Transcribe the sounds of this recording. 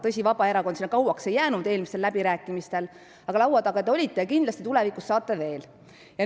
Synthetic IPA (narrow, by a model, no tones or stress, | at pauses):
t̪ɤsʲivɑb̥ɑe̞ɾɑkonsinːɑkɑwɑkse̞jːæːnud̪e̞ːlmiselːæb̥iɾæːkːˑimist̪e̞l | ɑɡɑlɑwɑd̪ɑɡ̥ɑt̪eolʲit̪ːe̞jɑkind̪lɑst̪i̥t̪ulevikusːɑːt̪ˑːeve̞ːl | jɑ